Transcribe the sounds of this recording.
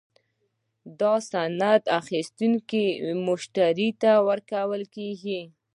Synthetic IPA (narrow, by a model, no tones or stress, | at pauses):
d̪ɑsanad̪axist̪uŋkimʊʃt̪aɾit̪awəɾkawəlkeɡi